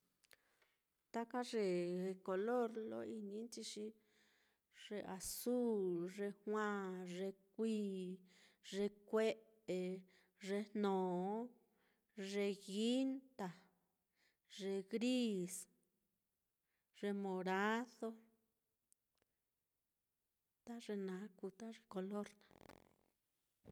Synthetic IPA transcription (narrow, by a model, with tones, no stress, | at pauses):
t̪a˦ka˦ʐe˧ko˧lo˦ɾlo̰˦i˧nĩ˧˦nt͡ʃi˧ʂi˧˦ | ʐ̥e˧ʔa˨˧su˦lʐe˧hw̃ã˦ʐe˧k̚ʷiː˦ | ʐe˧kʷe˦ʔ | e˧ | ʐe˧nnõː˨˦ | ʐe˧ɣi˦nt̪a˧ | ʐe˧ɣɾi˦s | ʐ̥e˧mõ˨ɾa˦ðo˧ | t̪a˦ʐe˧nã˨˦kʷu˧t̪a˦ʐe˧ko˧lo˦ɾnã˧